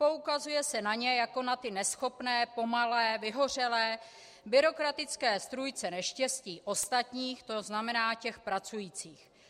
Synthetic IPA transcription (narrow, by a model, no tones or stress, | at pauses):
po̞ukazujɛsɛnaɲɛjako̞nat̪ɪnɛsxo̞pnɛːpo̞malɛːvɪɦo̞r̝ɛlɛː | bɪɾo̞kɾat̪ɪt͡skɛːst̪ɾujt͡sɛnɛʃcɛsciːʔo̞st̪at̪ɲiːxt̪o̞znamɛnaːcɛxpɾat͡sujiːt͡siːx